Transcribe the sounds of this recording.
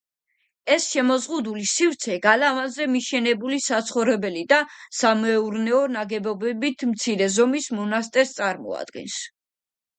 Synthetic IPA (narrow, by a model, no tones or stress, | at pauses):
ɛsʃɛmɔzʁud̪ulisivɾt̪sʰɛɡalavazɛmiʃɛnɛbulisat̪sʰχɔvɾɛbɛlid̪asamɛuɾnɛɔnaɡɛbɔbɛbit̪ʰmt̪sʰiɾɛzɔmismɔnast̪ʼɛɾst̪sʼaɾmɔ̰a̰d̪ɡɛ̰ns